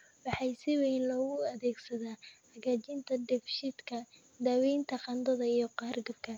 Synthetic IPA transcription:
wɑħɑjsɪwɛjnlɔːɣʊɐðɛːɡsɐðaːhɐɣaːt͡ʃɪnt̪ʰɐd̪ɛfʃɪd̪kʰɐ | d̪aːwɛjnt̪ʰɐqɑnd̪ɐðɐijɞqɑrɡɐb̚kʰɐ

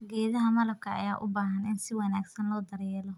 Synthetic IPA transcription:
ɡɛːðɐɦɐmɐlɐb̚kʰɐɐ̰jaːʔʊbaːɦɐnɪnsɪwɑnaːɡsɐnlɔːd̪ɐɾɛːlɔ

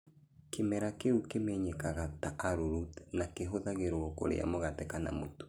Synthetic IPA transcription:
kemɛɾakeɾukemɛɲɛkaɣataʔaɾuɾutnakeɦoðaɣeɾwɔko̰ɾḛa̰moɣatɛkana̰moto̥

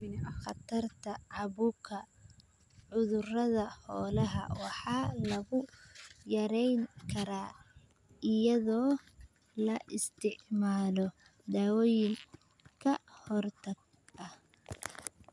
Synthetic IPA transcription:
ɪnxɑt̪ʰɐrt̪ʰɐʕɑβukʰɐ | ʕʊðʊrɐðɐhɔːlɐɦɐ̰wɑħɑːlɐɣʊjɐɾɛjŋkʰɐɾaː | ɪjɐðɔː | lɐʔɪst̪ʰɪʕmaːlɔ | d̪aːwɔːjɪŋ | kʰɐhɔrt̪ʰɐɡ | ɐh

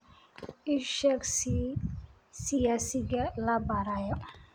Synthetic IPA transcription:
ɪʃɛks | sɪjaːsɪɣɐlɐbaːɾaːjɔ

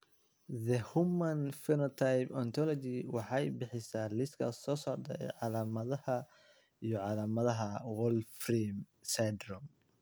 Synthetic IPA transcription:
ðɛhʊmɐnfɛnɔt̪ʰajpɔnt̪ʰɔlɔt͡ʃɪwɑħɑjbɪħɪsaːlɪst̪kʰɐ̰sɔːsɔʕd̪ɐɛ̰ʕɑlaːmɐðɐhɐ | ijɔʕɑlaːmɐðɐɦɐwɔlfrim | sad̪rɔm

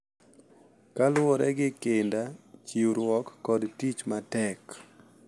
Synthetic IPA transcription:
kalwɔɾɛɡɪkendat͡ʃiuɾwɔkːɔdtit͡ʃmatɛk

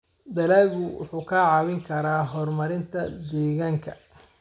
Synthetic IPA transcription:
d̪ɐlaːɣʊwʊ̰ħuːkʰaʕɑwɪŋkʰɐɾaːɦɔrmɐɾɪnt̪ʰɐd̪ɛːɣaːŋkʰɐ̰

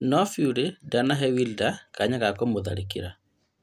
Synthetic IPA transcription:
nɔfiuɾedanaɦɛwildakaɲaɣakɔmoða̰ɾekḭɾa

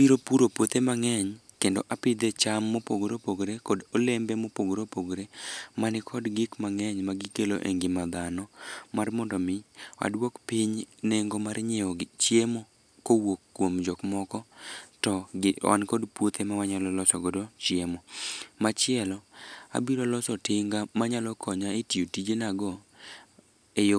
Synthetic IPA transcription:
abiɾopuɾopwot̪emaŋɛɲ | kendo̰ʔapɪd̪et͡ʃamːopoɡɾopoɡɾekodolembɛmopoɡɾopoɡɾemanɪkʰɔdɡɪkmaŋɛɲmaɡɪkelo̰ʔeŋɡɪmad̪anɔmarmɔndɔmɪa̰dwokpiɲneŋɡomarɲɪɔɡt͡ʃjemo | kowokːwomd͡ʒɔkmɔkɔtɔa̰nkɔdpwot̪ʰemawaɲalɔlɔsɔɡodot͡ʃjemɔmat͡ʃɪɛlɔa̰biɾolɔsɔtɪŋɡamaɲalɔkʰɔɲaetijotid͡ʒenaɡɔ | ejo

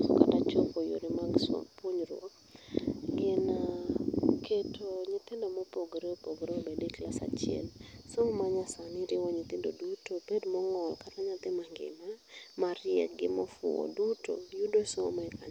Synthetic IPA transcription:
sɔ̰katat͡ʃokojo̰ɾɪmaɡsɔ̰poɲɾwɔ̰k̚ | ɡɪna | ketʰoɲɪt̪ɪndomɔpoɡɾeopoɡɾeobedeklasa̰t͡ʃjɛ̰lsoŋmaɲasanɪɾɪwɔɲɪt̪ɪndo̰dutobedmɔŋɔlkataɲat̪ɪmaŋɡɪ̰mamaɾɪɛ̰k̚ɡɪmɔfʊ̰ɔ̰duto̰judosomɛɛka

